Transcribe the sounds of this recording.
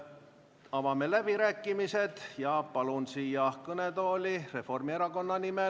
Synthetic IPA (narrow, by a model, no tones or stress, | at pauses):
ɑvɑme̞læb̥iɾæːkːˑimise̞d̪̥jɑpɑlunsiːjɑkɤnet̪o̞ːlʲire̞fo̞rmie̞ɾɑko̞nːɑnime